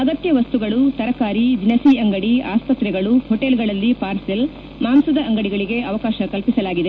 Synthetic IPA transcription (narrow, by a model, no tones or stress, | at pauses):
ɐɡɐt̪jɐʋɐst̪uɡɐɭut̪ɐɾɐkaːɾid͡ʒinɐsiːɐŋɡɐɽiaːspɐt̪ɾɛɡɐɭuhoʈeːlɡɐɭɐlːipaːɾsel | maːmsɐd̪ɐʔɐŋɡɐɽiɡɐɭiɡe̞ɐʋɐkaːʃɐkɐlpisɐlaːɡid̪e̞